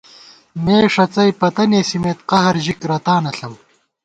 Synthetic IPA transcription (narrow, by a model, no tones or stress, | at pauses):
meːʂɐt͡sɐjpɐt̪ɐneːsimeːt̪qɐɦɐɾʑikɾɐt̪aːnɐɬɐw